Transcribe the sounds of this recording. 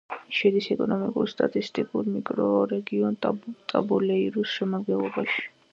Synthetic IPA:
ʃɛd̪isɛkʼɔnɔmikʼṵɾst̪ʼa̰t̪ʼist̪ʼikʼuɾmikʼɾɔɾɛɡiɔnt̪ʼa̰bulɛiɾusʃɛmad̪ɡɛnlˠɔbaʃi̥

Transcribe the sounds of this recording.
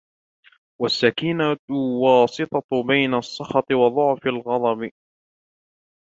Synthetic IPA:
wasːakinawɑːsˤɨt̪ˤɑbajnaʔsˤːɑxɑt̪ˤɨwɑðˤʊʕfalɣɑd̪ˤɑb

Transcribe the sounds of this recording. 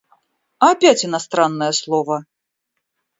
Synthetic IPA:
ɐːpʲat͡sʲinast̪ɾanːəjɛslˠɔvɐ

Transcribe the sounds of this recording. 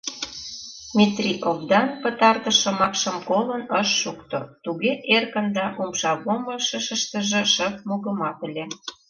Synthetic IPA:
mʲit̪rʲiʔovd̪ɑnpə̆t̪ɑrt̪ə̆ʃə̆mɑkʃə̆mkolənəʃːukt̪ot̪uɣeʔerkə̆nd̪ɑʔumʃɑβoməʃəʃə̆ʃt̪ə̆ʒĕʃəp̚moɣə̆mɑt̪əlʲe

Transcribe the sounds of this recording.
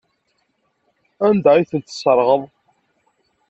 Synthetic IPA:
ænd̪æiθənt̪sˤəɾˤʁəðˤ

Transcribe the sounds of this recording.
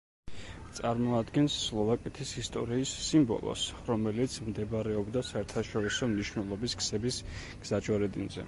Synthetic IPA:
t̪sʼaɾmɔad̪ɡɛnsːlˠɔvakʼɛt̪ʰisist̪ʼɔɾiːsːimbɔ̰lˠɔ̰sɾɔmɛlit̪sʰmd̪ɛbaɾɛɔbd̪asaɛɾt̪ʰaʃɔɾisɔmniʃnɛlˠɔbiskʰsɛbis | ɡ̥z̥at͡ʃʼɔɾɛd̪inzɛ̰

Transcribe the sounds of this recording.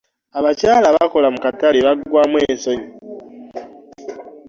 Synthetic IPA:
aβacaːlaβako̞lamukataleβaɡwaːmweːsoɲo

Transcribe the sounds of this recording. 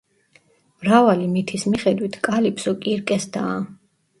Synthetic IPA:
vɾavalimit̪ʰismiχɛd̪wit̪ʰkʼalipʰsɔkʼiɾkʼɛsd̪aː

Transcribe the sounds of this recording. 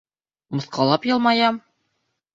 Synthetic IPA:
mɤ̆θqɑlˠɑpjɤ̆lˠmɑjɑm

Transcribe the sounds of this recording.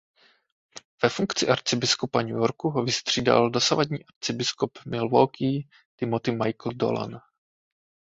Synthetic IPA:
v̥ɛfuŋkt͡sɪʔaɾt͡sɪbɪskopaɲujoɾkuɦovɪst̪r̥iːda̰ldo̞savadɲiːʔaɾt͡sɪbɪskopmɪlvowki | t̪ɪmot̪ɪmajkl̩do̰la̰n

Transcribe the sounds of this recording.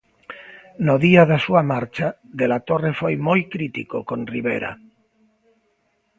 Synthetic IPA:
noðiaðasuamaɾt͡ʃa | ðelat̪orefojmojkɾit̪ikokonriβ̞ḛɾa̰

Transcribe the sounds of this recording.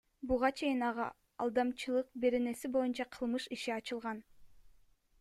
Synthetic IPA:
buʁɑt͡ʃʰe̞jinɑʁɑ̰ | ɑ̰lˠd̪ɑmt͡ʃɯlˠɯq̚be̞ɾe̞ne̞sibo̞junt͡ʃɑqʰɯlˠmɯʃiʃiɑt͡ʃɯlˠʁɑn

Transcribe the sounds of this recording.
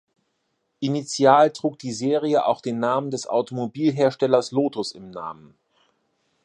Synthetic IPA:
ʔinit͡sjaːltʁ̥uːk̚d̥iːzeːʁiəʔa̰ʊxd̥eːnːaːməndɛsʔa̰ʊtomobiːlɦeːɐʃtɛlɐsloːtʊsɪmna̰ːmən

